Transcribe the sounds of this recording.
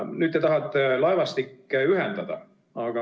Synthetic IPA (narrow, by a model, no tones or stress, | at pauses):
nyːd̪ːet̪ɑɦɑt̪ːˑelɑevɑst̪ikːeyɦend̪̥ɑd̪̥ɑ̰ | ɑɡ̥ɑ